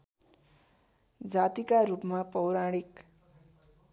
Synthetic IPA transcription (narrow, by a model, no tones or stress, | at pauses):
d͡zat̪ikaɾupmapʌwɾaɽ̃ik